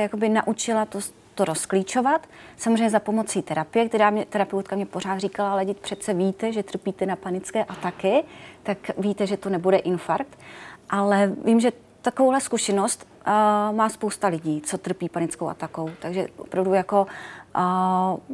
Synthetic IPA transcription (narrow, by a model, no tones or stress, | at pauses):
jakobɪnaʔut͡ʃɪlat̪o | t̪oɾo̞skliːt͡ʃo̞vat̪samozreɛjɲɛzapo̞mo̞t͡siːt̪ɛɾapɪjɛkt̪ɛɾaːmɲɛt̪ɛɾapɛwt̪̚kamɲɛpo̞ɾaːt̪riːkalalɛɟɪt̪pr̥ɛt͡sɛviːt̪ɛʒɛt̪r̩piːt̪ɛnapanɪt͡skɛːʔat̪akɪt̪akviːt̪ɛʒɛt̪o̞nɛbudɛʔɪnfaɾk̚t̪ʔalɛviːmʒɛ | t̪akovowɦlɛskuʃɛnost̪ː | maːspowst̪alɪɟiːt͡so̞t̪r̩piːpanɪt͡skowʔa̰t̪ako̞wt̪aɡʒɛvo̰pɾavdujako̞